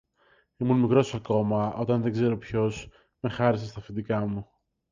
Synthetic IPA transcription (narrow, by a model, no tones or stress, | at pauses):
imunmikɾo̞sɐko̞mɐʔo̞t̪ɐnðe̞ɡze̞ɾo̞pço̞s | mexɐɾis̬est̪ɐfid̪ikɐmu